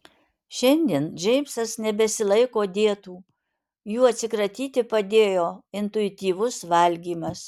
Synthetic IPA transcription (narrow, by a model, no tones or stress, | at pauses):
ʃʲɛnʲd̪ʲiɛnʒʲɛɪmsɐsnʲɛbʲɛsʲɪlˠɐɪkoːd̪ʲeɛt̪uː | juːɐt̪ʲsʲɪkɾɐt̪ʲiːt̪ʲɪpɐd̪ʲeːjoːɪnt̪ʊɪt̪ʲiːʋʊsʋɐlʲɡʲiːmɐs